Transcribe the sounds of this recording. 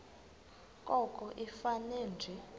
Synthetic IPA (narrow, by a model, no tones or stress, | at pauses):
kʼɔkʼɔʔifanɛːnd͡ʒʱɛ